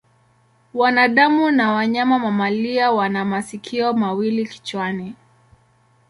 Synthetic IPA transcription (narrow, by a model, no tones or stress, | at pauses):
wanaɗamunawaɲamamamaliawanamasikʰiɔmawiliki̥t͡ʃwani